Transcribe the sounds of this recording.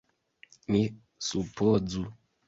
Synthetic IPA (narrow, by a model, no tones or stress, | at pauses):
ni | supod͡zu